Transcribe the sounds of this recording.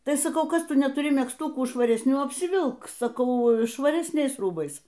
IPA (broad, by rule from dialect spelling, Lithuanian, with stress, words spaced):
ˈtɐɪ sɐˈkɐʊ ˈkɐs ˈtʊ nʲɛtʊˈrʲɪ mʲɛksˈtʊkuː ʃʋɐrʲɛsʲˈnʲuː ɐpʲsʲɪˈʋʲɪlˠk sɐˈkɐʊ ʃʋɐrʲɛsʲˈnʲɛɪs ˈruːbɐɪs